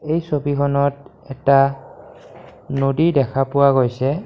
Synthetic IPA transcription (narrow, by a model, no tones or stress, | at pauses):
ejsobikʰɔnɔtɛta | nodidɛkʰapʊwaɣojsɛ